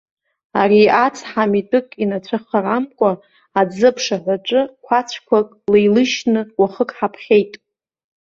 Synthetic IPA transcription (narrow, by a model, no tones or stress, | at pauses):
a̰riat͡sʰʼħamitʼɨkʼinat͡ɕʷʰaχaramkʷʼa | aːd͡zɨpʰʂaħʷaʈ͡ʂʼɨkʷʰat͡ɕʷʰkʷʰakʼlejlɨʃnɨwaχəkʼħapʰχʲe̞jtʼ